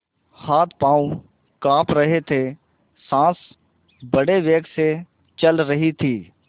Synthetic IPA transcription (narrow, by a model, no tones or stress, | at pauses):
haːt̪̚ʰpaːũ | kaːpɾəɦet̪ʰe | sãːs | bəɽeʋeːkse | t͡ʃəlɾəɦit̪ʰiː